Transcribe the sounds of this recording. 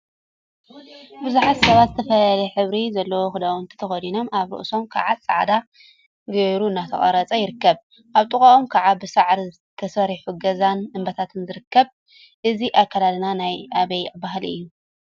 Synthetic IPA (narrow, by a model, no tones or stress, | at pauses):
bɨzuħat̪sɐβat̪zɨt̪ʰɐfɐlɐlɐħɨβɾizɐlːɐwoxɨd̪awot̪ʰɐ̥t̪ʰɐxɐd̪ino̞mʔaβɾɨ̰ʔso̞mkʰa̰ʕat͡sʼaʕd̪a | ɡɐɾuɨnːat̪ʰɐχʼɐ̰ɾɐt͡sʼɐjɪɾɨkːɐβ | ʔaβt̪ʼɨkʼaʔomkʰaʕabɨsaʕɾizɨt̪ʰɐsɐɾiħuɡɐzanɨmbɐt̪ʰat̪ʰɨnzɨɾɨkːɐβ | ʔɨziʔakʰːalad̪nanajʔaβɐjbaɦlɨ̰jːu